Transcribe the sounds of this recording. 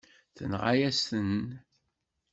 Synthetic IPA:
θə̰nʁajæst̪ən

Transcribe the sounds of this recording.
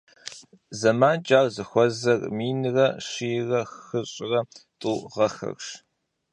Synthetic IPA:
zɐmaːnt͡ʃʼaːrzɨxʷɔzɐrmiːnɨrɐʂiːrɐxxɨɕʼɪrɐtʼuːʁɐxɐ̰rʂ

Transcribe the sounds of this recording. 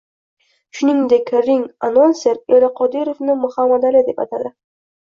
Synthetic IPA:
ʃʊnɪŋd̪e̞kʲɾɪŋanonseɾelɪqʰɒd̪iɾovnɪmʊhamːad̪alɪd̪e̞pat̪ʰad̪ɪ

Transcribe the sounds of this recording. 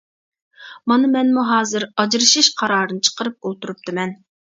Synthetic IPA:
mɑnɨmɛnmuɦɑːzɨɾɑd͡ʒɾɨʃiʃqʰɑɾɑːɾɨnɨt͡ʃʰə̥qəɾɨp̚olˠt̪uɾup̚t̪ʰɨmɛn

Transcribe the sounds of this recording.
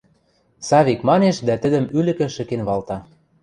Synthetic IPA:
sɑβikmɑneʃd̪æt̪ə̆d̪ə̆mylɘ̆kɘ̆ʃɘ̆kenβɑlt̪ɑ

